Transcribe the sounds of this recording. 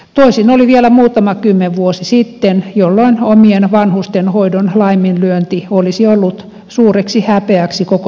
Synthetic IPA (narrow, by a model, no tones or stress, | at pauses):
t̪oisinoliʋielæmuːt̪ɑmɑkymːeʋʋuosisit̪ːenjolːoinomienʋɑnhust̪enhoidonlɑiminlyønt̪iolisiolːut̪ | suːreksihæpeæksikoko